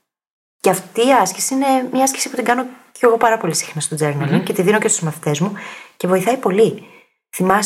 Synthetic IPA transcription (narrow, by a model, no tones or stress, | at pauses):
ceɐft̪iːɐscesiine̞mɲɐɐskcesiput̪iŋɡɐno̞cʰe̞ɣo̞pɐɾɐpo̞lisi̥xnɐst̪od͡ze̞ɾnɐluce̞t̪iðino̞cest̪uzmɐθi̥t̪e̞zmuce̞vo̞iθɐipo̞li | θimɐs